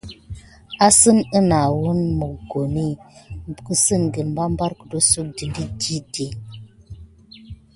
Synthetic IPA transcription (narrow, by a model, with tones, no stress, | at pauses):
a˦sə˦mə˦na˨wu˦nmə˨ɡo˨ni˦˨kə˦sɨ˦˨nɡə˨nm˦ba˦m˦ba˦ɾkə˨do˦su˦k̚di˨ndi˦di˦di˨˦